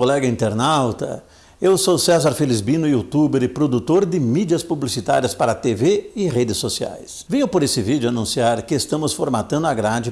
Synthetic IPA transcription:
kolɛɡɐĩnt̪eɾnawt̪ɐ̰ | ewsosɛzaɾfelizbĩnʊiut̪ubeɾɪpɾod̪ut̪oɾd̪ɪmid͡ʒiɐspublisit̪a̰ɾiɐspaɾɐt̪eveɪʁed̪ɪsːosia̰jsvẽɲʊpoɾesɪvid͡ʒʊanũsiaɾkɪest̪ɐ̃mʊsfoɾmat̪ɐ̃nd̪ʊaɡɾad͡ʒɪ

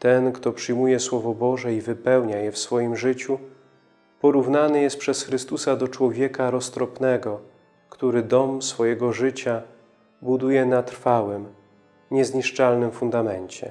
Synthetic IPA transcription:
t̪ɛnkt̪ɔpʂɘjmujɛswɔvɔbɔʐɛivɘpɛwɲajɛfsfɔjimʐɘt͡ɕu | pɔɾuvnanɘjɛst̪̚pʂɛsxɾɘst̪usad̪ɔt͡ʂwɔvʲjɛkaɾɔst̪ɾɔpnɛɡɔ | kt̪uɾɘd̪ɔmsfɔjɛɡɔʐɘt͡ɕa | bud̪ujɛnat̪ɾfawɘm | ɲɛzɲiʂt͡ʂalnɘmfund̪amɛɲt͡ɕɛ̰

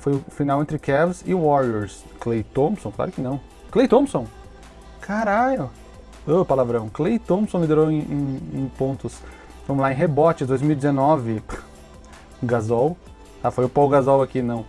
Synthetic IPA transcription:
fojʊfinawẽnt̪ɾɪkɛvzɪwɔɾiɛɾs | klejt̪õmsõkla̰ɾʊkɪnɐ̃w̃ | klejt̪õmsõw̃ | kʰaɾaʎʊ | opalavɾɐ̃w̃klejt̪õmsõlid̪eɾoẽʔẽẽpõnt̪ʊs | fõmlaẽɦebɔt͡ʃɪd̪ojzmiwid͡ʒ̪ɪzenɔvɪ | ɡazow̪ | afojʊpowɡazɔwakinɐ̃w̃

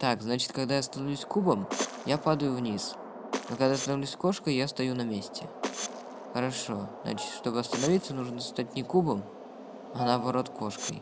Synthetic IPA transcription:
t̪akznat͡ɕɪ̥t̪kɐɡd̪ajast̪ɐnɐvlʲʉsʲkubəm | japad̪əjʊvnʲis | nokɐɡd̪ast̪ɐnɐvlʲusʲko̞ʂkəjjast̪ɐjunɐmʲesʲtʲɪ | xəɾɐʂo̞zna̰t͡ɕɪ̥t̪ʂt̪o̞bɨɐst̪ənɐvʲit̪sːənuʐnəst̪atʲnʲɪkubəm | ɐnaːbɐɾo̞t̪ko̞ʂkə̰j

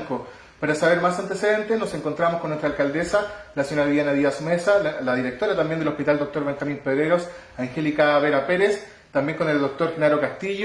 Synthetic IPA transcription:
ko | paɾasaβeɾmasant̪eseðe̞nt̪enose̞ŋko̞nt̪ɾamoskonːwet̪ɾalkald̪esalasjonaðijanaðiasumesalaðiɾek̚t̪o̞ɾat̪ambjend̪elo̞hpit̪ald̪ok̚t̪o̞ɾβe̞ŋxamimpeðɾeɾo̞s | aŋxelikaβeɾapeɾes | t̪ambje̞ŋko̞ne̞ld̪o̞k̚t̪oɾxinaɾo̞kast̪iʎo

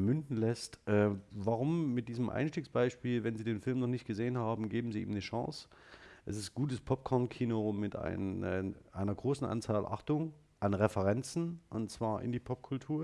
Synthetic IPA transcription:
mʏndn̩lɛstʔɛːvaːʁ̞ʊmːɪt̚d̥iːzəmʔa̰ɪnʃtiːksb̥aɪʃpiːlvɛnziːdeːnfɪlmnɔχnɪçt̚ɡ̥əzeːənhaːbm̩ɡeːbm̩ziːḭːmnəʃɑ̰̃ŋs | ʔɛsɪst̚ɡ̥uːtəspʰɔp̚kʰɔɐnkʰiːnomɪtʔa̰ɪʔa̰ɪnɐɡʁoːsn̩ʔa̰nt͡saːlʔa̰χtʊŋ | ʔanʁɛfəʁɛnt͡sn̩ʔʊntt͡sv̥aːɐʔɪ̰ndiːpʰɔp̚kʰʊltʰuːɐ

